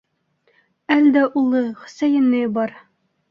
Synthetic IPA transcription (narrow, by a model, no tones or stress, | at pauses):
æld̪æʔulˠɤχɵ̥̆sæjɘ̆nːɘbɒɾ